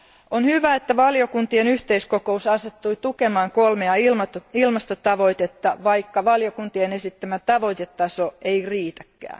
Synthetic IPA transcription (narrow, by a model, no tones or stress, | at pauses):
onhyʋæet̪ːæʋɑljokunt̪ienyht̪eiskokousɑset̪ːuit̪ukemɑːŋkolmeɑilmɑt̪oilmɑst̪ot̪ɑʋoit̪et̪ːɑʋɑikːɑʋɑljokunt̪ienesit̪ːæmæt̪ɑʋo̞it̪et̪ːɑsoeiriːt̪æ̥kːæ̰ːn